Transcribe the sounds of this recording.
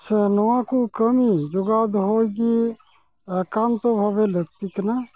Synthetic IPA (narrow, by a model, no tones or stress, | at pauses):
sənoãkukəmid͡ʒʊɡaːd̪ɦoːiɡi | kant̪obʱəʋeləɡt̪ikəna